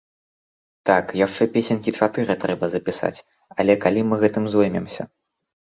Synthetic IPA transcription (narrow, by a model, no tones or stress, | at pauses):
t̪akjaʂt͡ʂɛpʲesʲɛnʲkʲit͡ʂat̪ɨɾɨt̪ɾɛbɐzɐpʲisa̰t͡sʲ | ɐlʲɛkalʲimɨɣɛt̪ɨmzujmʲɛmsʲɐ̰